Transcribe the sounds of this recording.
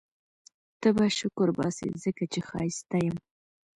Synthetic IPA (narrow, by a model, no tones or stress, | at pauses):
t̪əbaʃʊkʊɾbɑ̰sḛzəkat͡ʃexɑ̰jst̪ajəm